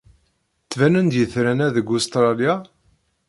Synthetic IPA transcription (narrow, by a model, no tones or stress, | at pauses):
t͡sːvænənd̪jəθɾænæðəɡʊst̪ɾˤɑlja